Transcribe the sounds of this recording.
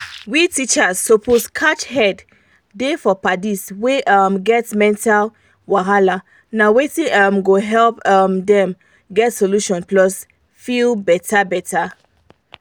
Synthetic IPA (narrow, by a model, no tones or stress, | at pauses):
witit͡ʃasːopʰoskʰat͡ʃhɛdː | efɔpadisweʔamɡɛtmɛ̃ntal | waɦala | nawetĩamɡoɦɛlpamdɛ̃m | ɡɛtsoluʃɔ̃nplɔs | filbɛtʰabɛta